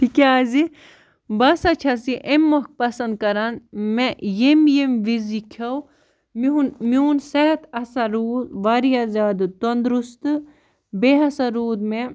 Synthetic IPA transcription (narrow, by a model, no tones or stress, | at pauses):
ʈʰikeaːzi | bɐsɐt͡ʃʰasiʔemːok̚pɐsɐnd̪̚kɐɾanmejemjemʋizikʰɐw | miunmuːnsɛɦt̪ɐsaɾuːzʋaɾiazʲaːd̪t̪ond̪ɾust̪ɨ | beɦɐsaɾuːd̪mẽ